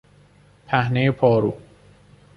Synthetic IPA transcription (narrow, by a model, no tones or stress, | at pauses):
pʰæhne̞jepʰɒːɾuː